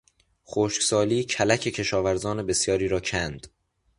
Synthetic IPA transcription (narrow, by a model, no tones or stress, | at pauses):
χoːʃksɒːliːcʰælæcʰe̞cʰe̞ʃɒːvæɾzɒːne̞be̞sjɒːɾiːɾɒːcʰænd̪̥